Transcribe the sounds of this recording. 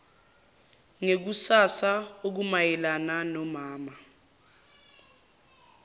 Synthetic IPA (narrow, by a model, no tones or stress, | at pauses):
ŋek̬usasaok̬umajɛlananɔmaːma